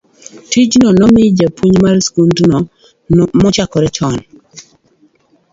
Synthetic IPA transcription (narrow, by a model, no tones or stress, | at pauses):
tid͡ʒnɔnɔmɪd͡ʒapʰuɲmaɾskundnɔ | mɔt͡ʃakɔɾɛt͡ʃɔn